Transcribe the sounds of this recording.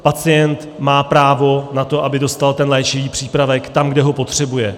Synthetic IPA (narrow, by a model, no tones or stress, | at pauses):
pat͡sɪjɛnt̪ | maːpɾaːvo̞nat̪o̞ʔabɪdo̞st̪alt̪ɛnlɛːt͡ʃɪviːpr̝̥iːpɾavɛkt̪amɡdɛɦo̞po̞t̪r̝̥ɛbujɛ